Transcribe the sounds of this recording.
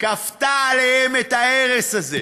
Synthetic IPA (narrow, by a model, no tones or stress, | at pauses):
kaftaːlehemet̪aeʁesaze